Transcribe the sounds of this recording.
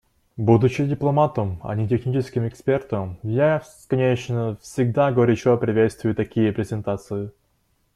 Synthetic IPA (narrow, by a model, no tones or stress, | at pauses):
bud̪ʊt͡ɕɪdʲɪplˠɐmat̪əmɐ̰nʲɪtʲɪxnʲit͡ɕɪskʲɪmɪkspʲe̞rt̪əmjasʲkɐnʲet͡ɕnəfsʲɪɡ̚d̪aɡəvɐɾʲut͡ɕɐpɾʲɪvʲet̪st̪vʊjʊt̪ɐkʲijəpɾʲɪzʲɪnt̪at̪sɨɪ